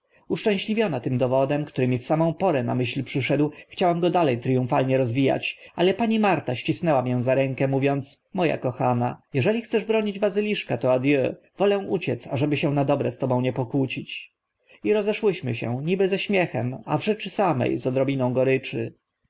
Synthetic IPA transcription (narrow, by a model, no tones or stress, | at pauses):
uʂt͡ʂɛ̃w̃ɕlʲivʲjɔnat̪ɘmd̪ɔvɔd̪ɛmkt̪uɾɘmʲifsamɔ̃w̃pɔɾɛna̰mɘɕlpʂɘʂɛd̪wxt͡ɕawɛmɡɔd̪alɛjt̪ɾɨjũfalɲɛɾɔzvʲija̰t͡ɕalɛpaɲimaɾt̪aɕt͡ɕisnɛwamʲjɛw̃zaɾɛŋkɛmuvʲjɔnt̪smɔja̰kɔxanajɛʐɛlʲixt̪sɛʐbɾɔɲid͡ʑbazɘlʲiʂkat̪ɔad̪jø | v̥ɔlɛ̃w̃ʔut͡ɕɛt̪saʐɛbɘɕɛ̃nad̪ɔbɾɛst̪ɔbɔ̃w̃ɲɛpɔkwut͡ɕit͡ɕ | iɾɔzɛʂwɘɕmɘɕɛ̰̃ɲibɘzɛɕmʲjɛxɛ̰ma̰vʐɛt͡ʂɘsamɛ̰jzɔd̪ɾɔbʲinɔ̃w̃ɡɔɾɘt͡ʂɘ